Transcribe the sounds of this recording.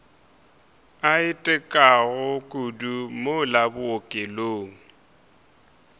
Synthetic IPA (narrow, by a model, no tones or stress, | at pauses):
aɪtʼɛkʼaɣʊkʼudumolabʊokʼeloːŋ̩